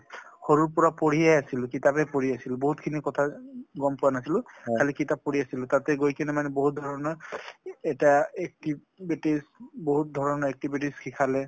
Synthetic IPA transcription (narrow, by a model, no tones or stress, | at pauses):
xɔɹuɹpɔɹapoɹijajasilʊ̃kitapɛpoɹiasilʊboɦutkʰinikɔtʰaɡɔmpʊanasilʊ̃kʰalikitapːoɹiasilʊtatɛɡojkʰɛnɛmanɛboɦut̚dʱɔɹɔnɔ | ɛtaɛk̚ti | bitisboɦut̚dʱɔɹɔnɔɛk̚tibitiskʰikʰalɛ